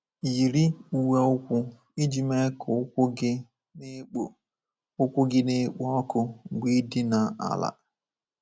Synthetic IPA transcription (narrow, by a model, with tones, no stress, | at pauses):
ji˨ɾi˦u˨we˦ʊ˦kʷʊ˦ | i˦d͡ʒi˨me˦kʊ˨˦kʷɡɪ˦ | ʊ˦kʷʊ˦ɡɪ˦ne˦k͡po˦ɔ˦kʊ˦˨ɡʷi˦dɪ˦na˨a̰˨la̰˨